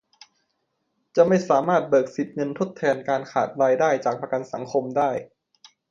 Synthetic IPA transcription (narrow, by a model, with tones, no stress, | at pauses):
t͡ɕa˨˩ma˥˩jsaː˩˦maː˥˩t̪̚bɤː˨˩k̚si˨˩t̪̚ŋɤ˧nt̪ʰo˥˩t̪ʰːɛː˧nkaː˧nkʰaː˨˩t̪̚ɾaː˧jdaː˥˩jt͡ɕaː˨˩k̚pɾa˧ka˧nsa˩˦ŋkʰo˧mdaː˥˩j